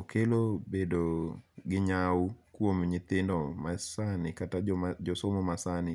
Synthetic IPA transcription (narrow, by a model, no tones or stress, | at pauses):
okʰelobedoɡɪɲaukwomɲɪt̪ɪndɔmasanɪkatad͡ʒɔsɔmɔmasanɪ